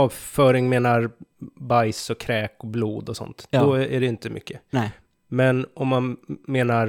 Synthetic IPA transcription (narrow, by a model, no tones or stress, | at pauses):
ɑːvfœːɾɪŋmeːnaɾbajsɔkʰɾɛːkɔbluːd̪ɔsɔ̰nt̪dd̪ɔæɖɛɪnt̪əmʔʏ̰kːə | mɛnɔmːanmeːnaɾ